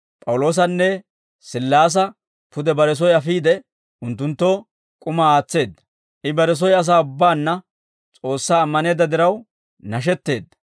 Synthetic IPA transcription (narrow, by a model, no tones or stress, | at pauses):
pʼɐwlo̞ːs̬ɐnːɛ | sɪlːaːs̬ɐ | pʊd̪ɛbɐɾɛs̬ɔjɐfiːd̪ɛ | ʔʊnt̪ːʊnt̪ːoː | kʼʊmɐaːt͡sːe̞ːd̪ːɐ̥ | ʔɪbɐɾɛs̬ɔjɐs̬aːʊbːaːnːɐ | t͡sʼo̞ːsːaːmːɐne̞ːd̪ːɐd̪ɪɾɐw | nɐʃ̬ɛt̪ːe̞ːd̪ːɐ̥